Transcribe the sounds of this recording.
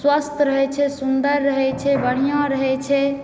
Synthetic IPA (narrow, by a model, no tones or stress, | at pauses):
swəst̪ɾəɦɛt͡ʃʰɛsund̪əɾːəɦɛt͡ʃʰɛbəɽ̤ijãɾəɦɛt͡ʃʰɛ